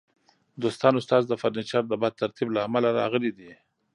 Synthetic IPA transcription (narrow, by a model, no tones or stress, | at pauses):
d̪ost̪ɑnʊst̪ɑzd̪əfaɾnit͡ʃɑɾd̪əbad̪̚t̪ʰaɾt̪ʰiblaːmalaɾɑ̰ɣəlid̪i